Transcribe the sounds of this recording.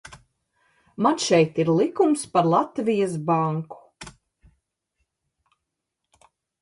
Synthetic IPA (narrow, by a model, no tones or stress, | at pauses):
manʃɛjt̪iɾlˠikumspaɾlˠat̪vijas̬baŋku̥